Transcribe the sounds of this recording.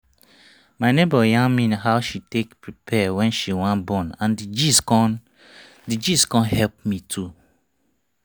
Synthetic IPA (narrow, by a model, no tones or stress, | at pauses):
maɪnebəjãnmĩnhaʊʃitekpɹipʰɛwɛ̃nʃiwãnbɔ̃nãndid͡ʒisn | did͡ʒiskɔ̃nhɛlp̚mitʰu